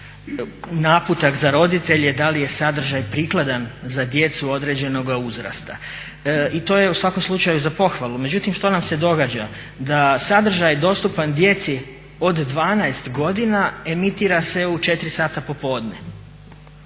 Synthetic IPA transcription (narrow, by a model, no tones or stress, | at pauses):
naput̪akzaɾo̞d̪it̪e̞ʎed̪alije̞sad̪r̩ʒajpɾiːklˠad̪anzad̪je̞t̪suo̞d̪ɾe̞d͡ʑe̞no̞ɡauzɾa̰st̪a | it̪o̞ːje̞usʋako̞mslˠut͡ʃajuzapo̞xʋalˠume̞d͡ʒut̪imʃt̪o̞namse̞d̪o̞ɡaːd͡ʑa | d̪asad̪r̩ʒajd̪o̞st̪upand̪je̞t̪si | o̞d̪ːʋaːnaest̪ɡo̞d̪inae̞mit̪iːɾase̞ut͡ʃe̞t̪ɾisaːt̪apo̞po̞ːd̪ne